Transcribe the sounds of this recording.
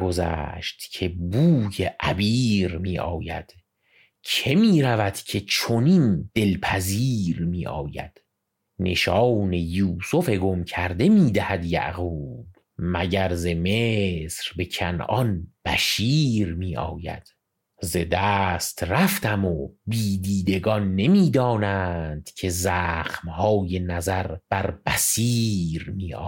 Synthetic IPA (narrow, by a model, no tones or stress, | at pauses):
ɡozæ̰ːʃt̪cʰe̞buːjeʔæbiːɾmiːʔɒːjæ̰d̪̥ | cʰe̞miːɾævæd̪̥cʲʰe̞t͡ʃʰonind̪̥e̞lpʰæziːɾmiːʔɒ̰ːjæ̰d̪̥ | ne̞ʃɒːwne̞juːsofe̞ɡo̞mcʰæɾd̪e̞miːd̪æhæd̪jæ̰ʔɣuːb̥ | mæɟæɾzemesɾbe̞cʰænɒnb̥æʃiːɾmiːʔɒ̰ːjæ̰d̪̥ | ze̞d̪æːst̪ræft̪æmobiːd̪iːd̪e̞ɡɒnːe̞miːd̪ɒːnænd̪̥cʰe̞zæːxmhɒːje̞næzæɾb̥æɾb̥æsiːɾmiːɒ̰ː